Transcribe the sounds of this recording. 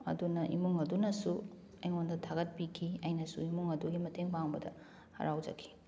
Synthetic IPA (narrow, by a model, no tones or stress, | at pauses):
ɐ̰dunɐʔḭmuŋɐdunɐsu | ɐjŋondɐtʰaɡɐt̚pikʰiɐjnɐsuimuŋɐduɡimɐteŋpaŋbɐdɐ̰ | hɐ̰ɾawd͡ʒɐ̰kʰːi̥